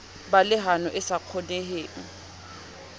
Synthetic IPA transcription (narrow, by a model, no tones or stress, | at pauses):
balɪɦanɔʔɪsaq͡χʰɔneɦeːŋ̩